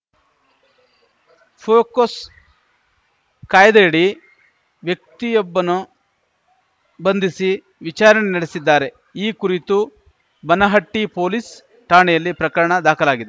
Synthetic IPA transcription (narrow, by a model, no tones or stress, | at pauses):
pʰoːkɐs | kaːjɐd̪ɐjɽi | ʋjɐk̚t̪ijɔbːɐnu | bɐnd̪isi | ʋit͡ʃaːɾɐnenɐɽesid̪ːaːɾe̞ | iːkuɾit̪u | bɐnɐɦɐʈːipoːlis | ʈaːɳejɐlːipɾɐkɐɾɐɳɐd̪aːkʰɐlaːɡid̪e